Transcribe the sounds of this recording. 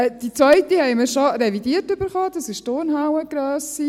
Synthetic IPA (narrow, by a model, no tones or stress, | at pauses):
d̥it͡sʋvœʏtihɛɪməɾʃorɛvidiːtʏbəɾχɑːdɑsɪʃtoɾnhawəɡ̥ɾœːsi